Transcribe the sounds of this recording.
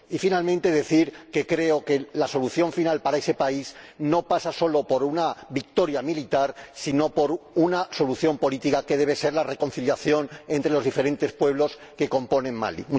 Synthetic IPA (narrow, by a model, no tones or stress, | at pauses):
ifinalmẽnt̪e̞ð̞e̞θiɾke̞kɾe̞oke̞laso̞luθjo̞ɱfinalpaɾaese̞paizno̞pasaso̞lo̞po̞ɾunaβik̚t̪o̞ɾjamilit̪aɾsino̞po̞ɾunaso̞luθjo̞mpo̞lit̪ikake̞ð̞e̞β̞e̞se̞ɾlare̞ko̞nθiljaθjo̞ne̞nt̪ɾe̞lo̞zðife̞ɾẽ̞nt̪e̞spwe̞β̞lo̞s | ke̞ko̞mpo̞nẽ̞nma̰lḭm